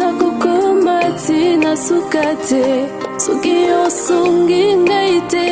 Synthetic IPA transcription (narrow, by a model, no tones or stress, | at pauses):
akukɔmatinasukatɛsukijɔsuŋɡiŋɡaitɛ